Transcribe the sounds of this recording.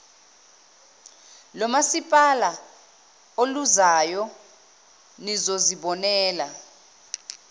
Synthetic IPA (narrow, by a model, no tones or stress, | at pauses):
lɔmasipʼala | oluzajɔ | nizoziɓɔnɛːla